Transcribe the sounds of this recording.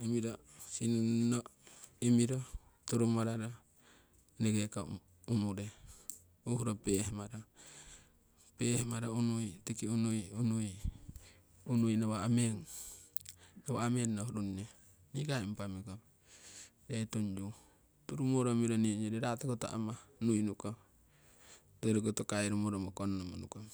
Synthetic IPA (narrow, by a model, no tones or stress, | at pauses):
imiɾo | sinnoimiɾotuɾumaɾaɾa | neɡeka | umuɾe | uhuɾopehmaɾa | pehmaɾaunujtikiunujunuj | unujnaβaamen | aβaamenːohɾunne | nikaimpamikap | ɾetoɲd͡ʒu | tuɾumoɾomiɾoniɲd͡ʒoɾeɾatakota̰ʔa̰manujnuka | toɾikotokaiɾumoɾomokonnomanuka